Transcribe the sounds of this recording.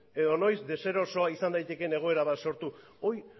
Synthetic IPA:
e̞ðono̞jzd̪e̞se̞ɾo̞so̞aisand̪ajt̪e̞ke̞ne̞ɣ̞o̞e̞ɾaβ̞at̪so̞ɾt̪u | o̞j

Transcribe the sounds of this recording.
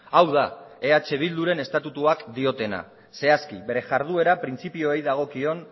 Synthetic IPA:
awðae̞at͡ʃe̞β̞ild̪uɾe̞ne̞st̪at̪ut̪uakd̪io̞t̪e̞na̰ | se̞askiβe̞ɾe̞ʝaɾð̞ue̞ɾapɾint͡sipio̞ejðaɣ̞o̞kio̞n

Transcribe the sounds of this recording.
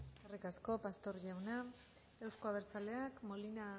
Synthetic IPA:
erikasko̞past̪o̞ɾʎawna | e̞wsko̞aβ̞e̞ɾt͡saleakmo̞lina

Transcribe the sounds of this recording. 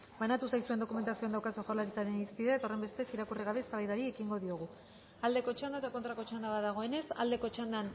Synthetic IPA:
banat̪usajsue̞nd̪o̞kume̞nt̪asio̞and̪awkasoʝalaɾit͡saɾe̞nispiðe̞et̪ao̞re̞mbe̞st̪e̞siɾakuriɣ̞aβe̞saβajðaɾiekiŋɡo̞ðio̞ɣ̞u | ald̪e̞ko̞t͡ʃand̪aet̪ako̞nt̪ɾako̞t͡ʃand̪aβaðaɣ̞oe̞ne̞sa̰ld̪e̞ko̞t͡ʃand̪an

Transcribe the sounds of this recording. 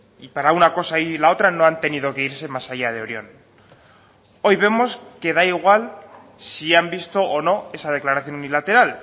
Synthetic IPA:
ipaɾaunako̞sailao̞t̪ɾano̞ant̪e̞niðo̞ke̞iɾse̞masaʝað̞e̞o̞ɾjo̞n | o̞jβe̞mo̞ske̞ðaiɣwal | siambist̪o̞ʔono̞e̞sað̞e̞klaɾaθjo̞nunilat̪e̞ɾal

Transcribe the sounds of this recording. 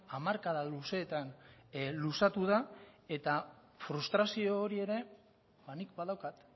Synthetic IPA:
amaɾkaðaluse̞ːt̪anlusat̪uð̞ae̞t̪a | fɾust̪ɾasio̞ːɾie̞ɾe̞ | banikbaðawkat̪

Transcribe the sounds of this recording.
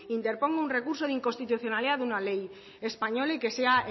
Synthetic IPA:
int̪e̞ɾpo̞ŋɡounre̞kuɾsoðiŋkonst̪it̪uθjo̞naliðaðunalej | espaɲo̞leke̞sea

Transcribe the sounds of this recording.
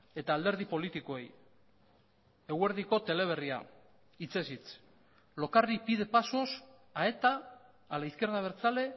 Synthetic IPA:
e̞t̪aːld̪e̞ɾð̞ipo̞lit̪iko̞e̞j | e̞ɣwe̞ɾðiko̞t̪e̞le̞β̞e̞ria̰ | it͡se̞sit͡s | lo̞karipiðe̞paso̞s | ae̞t̪aː | laiθkeɾðaβe̞ɾt͡sale̞

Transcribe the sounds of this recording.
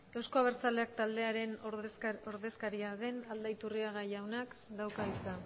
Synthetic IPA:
e̞wsko̞aβe̞ɾt͡sale̞ak̚t̪ald̪e̞aɾe̞n | o̞ɾðe̞skaɾiaðe̞nald̪ajt̪uriaɣ̞ajawnakd̪awkaβisa

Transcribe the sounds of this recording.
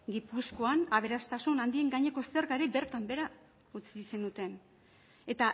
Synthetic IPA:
ɡipusko̞anaβ̞e̞ɾast̪asunand̪ie̞ŋɡaɲe̞ko̞eseɾɣaɾebe̞ɾt̪ambe̞ɾa | ut͡sise̞nut̪e̞n | e̞t̪a

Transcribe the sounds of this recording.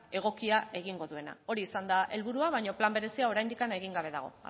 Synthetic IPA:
e̞ɣ̞o̞kiae̞ɣ̞iŋɡo̞ðue̞na̰o̞ɾiːsand̪aʔe̞lβuɾuaβajɲo̞plambe̞ɾe̞siao̞ɾajnd̪ikane̞ɣiŋɡaβ̞e̞ða̰ɣ̞o̞̰

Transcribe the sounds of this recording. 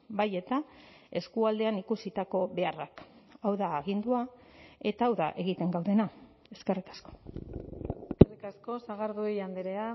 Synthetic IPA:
baje̞t̪a | e̞skuald̪e̞anikusit̪ako̞βe̞arakawðaːɣ̞ind̪ua | e̞t̪aːwða̰ʔe̞ɣ̞it̪e̞ŋɡawðe̞na | e̞ske̞rikḁsko̞ | eskerikasko̞saɣaɾðuejand̪eɾea

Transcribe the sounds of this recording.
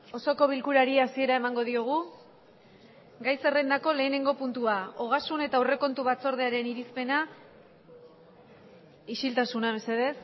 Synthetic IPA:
o̞so̞ko̞β̞ilkuɾaɾiasie̞ɾae̞maŋɡo̞ð̞ioɣ̞u | ɡajse̞re̞nd̪ako̞le̞ːne̞ŋɡo̞punt̪uaoɣ̞asune̞t̪aure̞ko̞nt̪uβat͡so̞ɾðe̞aɾe̞niɾispe̞na | iʃilt̪asunaβe̞se̞ðe̞s

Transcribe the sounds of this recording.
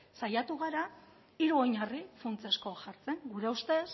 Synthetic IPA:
sajat̪uɣ̞aɾa | iɾuo̞ɲarifunt͡sesko̞aʝaɾt͡se̞ŋɡuɾe̞ust̪e̞s

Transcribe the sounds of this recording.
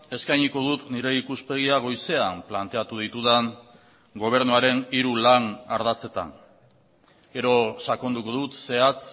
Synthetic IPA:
e̞skajɲiko̞ðut̪niɾe̞ikuspe̞ɣ̞iaɣ̞o̞jse̞amplant̪e̞at̪uð̞it̪uðan | ɡo̞β̞e̞ɾnuaɾe̞niɾulanaɾðat͡se̞t̪a̰ŋ | ɡe̞ɾo̞sako̞nd̪uko̞ðut̪se̞at͡s

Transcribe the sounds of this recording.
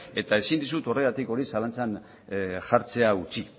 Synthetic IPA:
e̞t̪ae̞sind̪isut̪o̞re̞ɣat̪iko̞ɾisalant͡san | ʝaɾt͡se̞aut͡si

